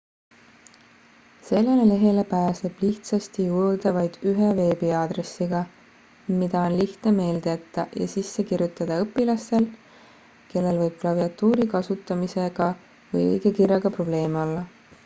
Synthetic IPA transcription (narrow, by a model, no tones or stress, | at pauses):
se̞lːenele̞ɦe̞lepæːse̞b̥liht̪sɑst̪ijuːd̪̥ɑvɑjd̪̥yɦeve̞ːbiɑːd̪̥re̞sːiɡ̥ɑ | mid̪̥ɑo̞nliht̪ne̞me̞ːld̪eet̪ːˑɑjɑ̰sisːe̞kirjut̪ːˑɑd̪̥ɑɤpːˑilɑst̪e̞l | ke̞lːe̞lvɤjb̥̚klɑviɑt̪ːˑuːɾikɑsut̪ːˑɑmise̞ɡ̥ɑ | vɤ̰jɤ̰jɡ̥e̞kirjɑɡ̥ɑpro̞b̥le̞ːmeo̞lːɑ